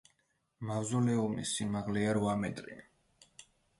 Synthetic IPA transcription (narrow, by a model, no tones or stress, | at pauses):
mavzɔlɛumḭsːimaʁlɛaɾvamɛt̪ʼɾḭ